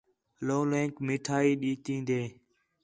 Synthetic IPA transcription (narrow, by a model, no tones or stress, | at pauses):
lõːlẽːŋkmɪʈʰaːiːɗiːt̪ĩːnd̪eː